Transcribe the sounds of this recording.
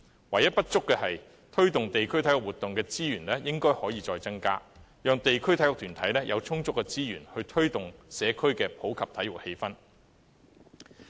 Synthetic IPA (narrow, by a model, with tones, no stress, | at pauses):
wɐ˨˩jɐ˥t̚pɐ˥t̚t͡sʊ˥kːɛː˧ɦɐ˨j | t̪ʰɵ˥ɥt̪ʊ˨ŋt̪e˨jkʰɵ˥ɥt̪ʰɐ˨˥jʊ˨k̚uː˨t̪ːʊ˨ŋkɛː˧t͡siː˥jyː˨˩nlɛː˥jɪ˥ŋkɔː˥jhɔː˨˥jiː˧t͡sɔː˧jt͡sɐ˥ŋka̰ː˥ | jœː˨ŋt̪e˨jkʰɵ˥ɥt̪ʰɐ˨˥jʊ˨k̚t̪ʰyː˨˩nt̪ʰɐ˨˥jlɛː˥jʔɐ̰˨˧wt͡sʰʊ˥ŋt͡sʊ˥kːɛː˧t͡siː˥jyː˨˩nhɵ˧ɥt̪ʰɵ˥ɥt̪ʊ˨ŋsɛː˨˧kʰɵ˥ɥkɛː˧pʰo˨˥wkʰɐ˨p̚t̪ʰɐ˨˥jʊ˨k̚he˧jfɐ˥n